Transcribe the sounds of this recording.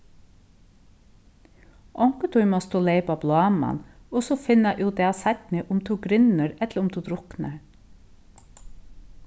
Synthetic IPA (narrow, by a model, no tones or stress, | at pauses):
ʔɔŋkət̪ʰʊʏmɔst̪oːleɪpɑblɑːmɑ̰nɔsɔfɪnəʔuːd̪ɛɑsæt̪nəʔʊmt̪ʰuːɡɾʏnəɾɛt̪ləɾʊmt̪ʰuːd̪ɾʊknə